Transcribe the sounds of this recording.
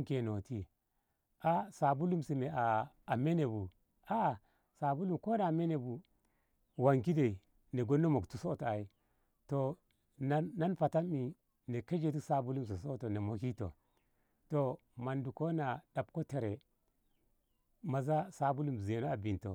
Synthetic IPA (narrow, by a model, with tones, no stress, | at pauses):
ŋke˨no˨ti˦ | a˦sa˨bu˦lu˦msi˨me˨aː˨me˦ne˨bu˨ | a˦˨ | sa˨bu˦lu˦˨mko˦na˨me˦ne˨bu˨ | wa˨ŋki˦de˨i˨ | ne˨ɡo˦nːo˦mo˨ktu˨so˦˨to˨a˨i˦ | to˨ | naː˦a˦npa˨ta˦mːi˨ | ne˨ke˦d͡ʒe˦˨t̬i˦sa˦bu˦lu˦ms̬e˨so˦to˨ne˨mo˨ki˦to̰˨ | to˨ | ma˨ndu˨ko˦na˨ɗa˨b̚ko˦te˨ɾe˨ | ma˨za˦sa˨bu˦lu˦m˨ze˨no˦a˨bi˨nto̰˨